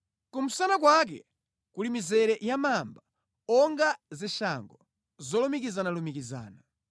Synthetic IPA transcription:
kum̩sanak̬wak̬ɛ̰ | kulimizɛɾɛjamamba | ɔŋɡaziʃaŋɡɔ | zɔlumik̬izanalumikiza̰ːna

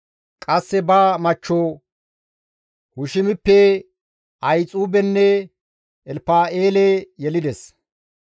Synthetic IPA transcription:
kʼɐsːɛbaːmɐt͡ʃːoː | hʊʃɪmɪpːɛ | ɐjt͡sʼuːbɛnːɛ | ɛlpaːeːlɛjɛlɪd̪ɛs

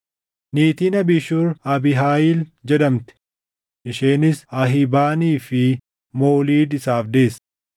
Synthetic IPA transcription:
niːt̪iːnɐbɪʃuɾɐbɪɦaːjɪld͡ʒɛd̪ɐmt̪ɛ̥ | ʔɪʃeːnɪsɐɦɪbaːniːfɪ | mo̞ːliːd̪ɪsaːfd̪e̞ːs

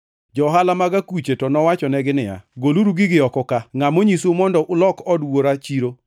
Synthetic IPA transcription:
d͡ʒɔɦalamaɡakut͡ʃetɔnɔwat͡ʃɔnɛɡɪnɪja̰ɡoluɾuɡɪɡɪɔkɔkaŋamoɲisomɔndɔʔʊlɔkɔdwoɾat͡ʃiɾo

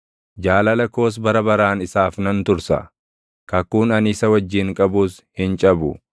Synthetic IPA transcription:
d͡ʒaːlɐlɐko̞ːs̬bɐɾɐbɐɾaːnɪsaːfnɐnt̪ʊɾsɐ̰ | kɐkːuːnɐnɪsɐwɐd͡ʒːɪŋkʼɐbuːs | hɪnt͡ʃʼɐbʊ

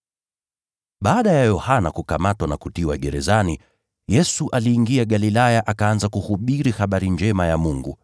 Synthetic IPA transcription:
ɓaːɗajajɔhanakukamatwanakutiwaɠɛɾɛzani | jɛsuʔaliːŋɡiaɠalilajaʔakaanzakuhuɓiɾihaɓaɾind͡ʒɛmajamuŋɡṵ

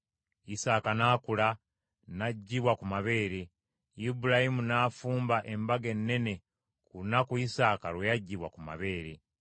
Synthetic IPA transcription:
isaːkanaːkula | naɟːiβwakumaβe̞ːɾe | ibuɾahimunaːfuːmbaʔe̞mbaɡe̞nːe̞ne̞ | kuɾunakuisaːkaɾwejaɟːiβwakuma̰βe̞ːɾe

